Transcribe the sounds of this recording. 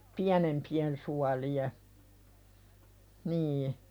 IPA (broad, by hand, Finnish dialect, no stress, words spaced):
piænempien suɑlie niː